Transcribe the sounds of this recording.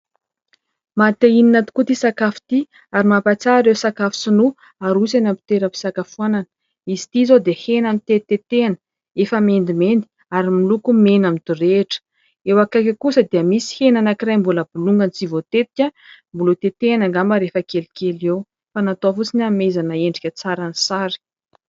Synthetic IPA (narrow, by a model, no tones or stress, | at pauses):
mat̪eininat̪i̥kut̪isakafi̥t̪i | aɾimapat͡saɾewsakafu̥sinu | aɾusanampi̥t̪eɾəpi̥sakafuananə̥ | izi̥t̪izod̪ehenamit̪et̪et̪eanə̥ | efəmend̪imend̪i̥ | aɾimilukumenamid̪ureʈ͡ʂə̥ | ewakakʲəkusəd̪eəmisi̥henanakirajmbuləbuluŋɡənit͡sivot̪et̪i̥kʲəmbulut̪et̪eanaŋɡambaɾefəkelikʲelew | fanat̪ofut͡sinamezanaeɳɖ͡ʐikʲət͡saɾanisaɾi̥